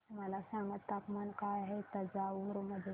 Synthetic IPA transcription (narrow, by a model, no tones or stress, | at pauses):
malasãːŋɡət̪ːakmankaːjɦɛt̪ɐd͡ʒaːuɾmɐd̪